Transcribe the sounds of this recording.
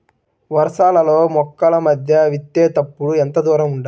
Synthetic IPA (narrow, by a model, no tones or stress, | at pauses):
ʋɐɾɐʂaːlɐlo̞ːmɔkːɐlɐmɐd̪ʱjɐʋit̪ːeːt̪ɐpːuɽuɛnt̪ɐd̪ʋaːɾɐmuɳɖa